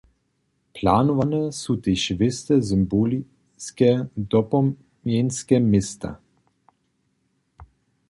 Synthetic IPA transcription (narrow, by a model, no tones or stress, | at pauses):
plaːnuvanɛsut̪eʃvɪst̪ɛzəmboli | skɛd̪ɔpɔ | mjenskɛmest̪a̰